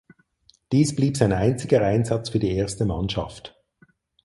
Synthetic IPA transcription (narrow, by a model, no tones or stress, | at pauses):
d̥iːsb̥liːpz̥aɪnaɪnt͡sɪɡəʔaɪnzɑt͡sfyːɐdiːeːɐstəmanʃɑ̰ft